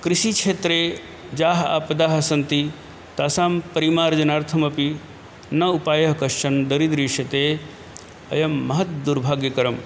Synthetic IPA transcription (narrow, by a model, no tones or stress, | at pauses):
kɾiʃikʂʰeːt̪ɾeː | d͡ʒaːɦɐa̰ːpɐd̪aːɦɐsɐnt̪i | t̪aːsaːmpɐɾimaːɾd͡ʒɐnaːɾt̪ʰɐmɐpi | nɐupaːjɐɦɐkɐʂʂɐnd̪ɐɾid̪ɾiːʂjɐt̪eː | ɐjɐmːɐɦɐt̪̚d̪uɾbʱaːɡjɐkɐɾɐm